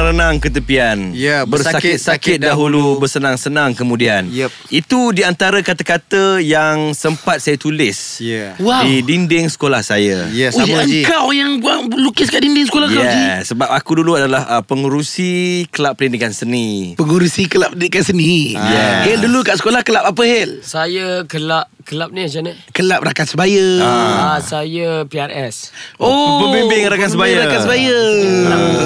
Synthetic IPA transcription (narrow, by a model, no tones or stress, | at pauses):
ɾənãŋkət̪̬əpianbərsaaɪt̪̚sakɪt̪̚daɦulubərsənãŋsənãŋkəmũdianj | it̪udiant̪aɾakat̪akat̪əjaŋsəmpat̪̚sajət̪ulɪsjwadidindɪŋsə̥kolahsajəjəŋkawjaŋbuaŋlukɪskaʔdindɪŋsə̥kolahjɛsəbap̚akuduluadalahəpəŋuɾusikəlapːəlinikansənipəŋuɾusikəlap̚ədinikansənijɛheldulukaʔsə̥kolahkəlap̚apəhelsajəkəlapkəlap̚niat͡ʃanə | kəlap̚rakat̪səbajə | sajəpiaɾɛsoməbimbɪŋɾakatsəbajɾakat̪səbajə